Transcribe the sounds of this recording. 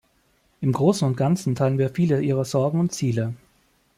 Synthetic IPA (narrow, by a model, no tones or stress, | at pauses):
ʔɪmɡʁoːsn̩ʊntɡ̥ant͡sn̩tʰaɪlənviːɐfiːləʔiːʁəzɔɐɡŋ̩ʊntt͡siːlə